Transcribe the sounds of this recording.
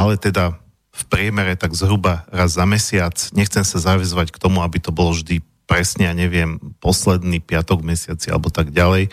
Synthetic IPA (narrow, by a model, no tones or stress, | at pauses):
alɛt̪ɛd̪a | fpɾɪɛmɛɾɛt̪aɡzɦɾubaɾazːamɛsɪat͡sɲɛxt͡sɛmsazaʋɛzʋackt̪ɔmuabit̪ɔbɔlɔʒd̪i | pɾɛsɲɛaɲɛʋɪɛmpɔslɛd̪niːpɪat̪ɔɡmɛsɪat͡sia̰lɛbɔt̪aɡɟalɛj